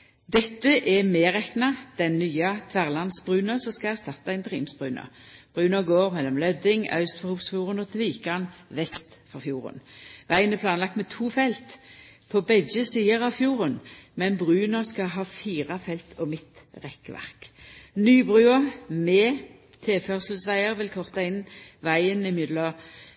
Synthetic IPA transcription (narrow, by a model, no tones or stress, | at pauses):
d̪ɛt̪ːəʔɛmeːʁɛknɑd̪̥ɛnːyːɑt̪ʰʋæʁlɑnsbʁʉːnəsɔmskɑæʁst̪ɑt̪ːɑɪnt̪ʁiːmsb̥ʁʉːnə̰b̥ʁʉːnəɡoːʁmɛlːɔmlœd̪ɪŋœ̰ʉst̪fɔʁhuːpsfjuːʁənɔt̪ʰʋiːkɑnʋɛst̪fɔʁfjuːʁə̰nʋæɪənɛæpʰlɑːnlɑk̚t̪mɛt̪ʰuːfɛlt̪pʰobɛd͡ʒəsiːəʁɑʋfjuːʁənmɛnbʁʉːnəskɑɦɑːfiːʁɑfɛlt̪ʰɔmɪt̪ | ʁɛkʋæ̰ʁknyːbʁʉːəmeː | t̪ʰeːfœʁsəlsʋæɪəʁʋɪlkʰɔʁt̪ɑɪnʋæɪənɪmɪd̪lɔ